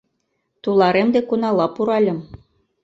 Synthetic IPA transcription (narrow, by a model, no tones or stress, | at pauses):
t̪ulɑɾemd̪ekunɑlɑpuɾɑlʲɤ̆m